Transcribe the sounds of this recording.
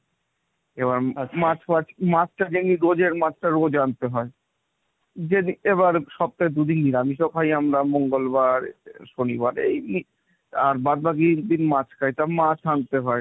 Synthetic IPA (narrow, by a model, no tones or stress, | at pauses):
eβaɾmat͡ɕʰmat͡ɕʰmat͡ɕʰʈad͡ʑeniɾod͡ʑeɾmat͡ɕʰʈaɾod͡ʑant̪eɦɔe | d͡ʑenieβaɾʃɔb̚t̪aed̪ud̪inːiɾamiʃɔkʰajamɾamoŋɡolbaɾʃonibaɾḛjni | aɾbad̪̚baɡid̪inmat͡ɕʰkʰajt̪amat͡ɕʰant̪eɦɔe